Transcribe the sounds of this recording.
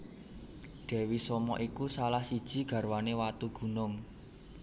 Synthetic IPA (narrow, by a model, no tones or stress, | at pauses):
ɖ̪̥ɛ̤wisɔmɔ̰ʔikusalahsid̥ʒ̥i̤ɡ̥a̤ɾwanewat̪uɡ̥ṳnʊŋ